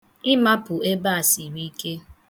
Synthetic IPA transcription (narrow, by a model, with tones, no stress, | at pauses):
ɪ˦ma˦pʊ˨e˦ba˦a˨si˨ɾi˦i˦ke˦